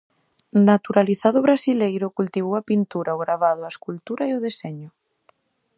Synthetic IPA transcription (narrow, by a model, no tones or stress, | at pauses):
nat̪uɾaliθaðʊβ̞ɾasilejɾʊkult̪iβ̞owapint̪uɾaoɣɾaβað̞ʊaeskult̪uɾaioðesɛɲʊ